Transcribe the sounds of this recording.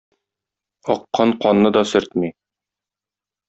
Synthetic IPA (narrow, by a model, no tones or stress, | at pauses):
ɒqːɑnqɒnːɤd̪ɒsɵ̆ɾt̪mi